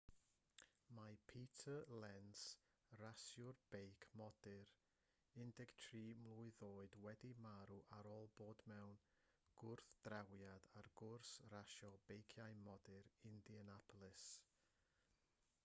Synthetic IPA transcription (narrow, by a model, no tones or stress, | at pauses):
majpʰiːtʰəlɛns | rasjʊrb̥ejkʰmɔdɪɾ | ɪndɛɡ̥tʰriːmlˠʊɨðoːɨdwɛdimaɾuʔaɾoːlˠboːdmɛwn | ɡ̥ʊrθd̥rawjadarɡ̥ʊrsraʃɔb̥ejkʰjajmɔdɪɾɪndiənapʰɔlˠɪs